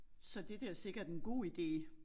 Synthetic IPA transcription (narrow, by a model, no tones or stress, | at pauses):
sɒ̽d̥e̝d̥eɐse̝ɡ̥ɐd̥enɡ̥o̝̰ːid̥e̝̰ː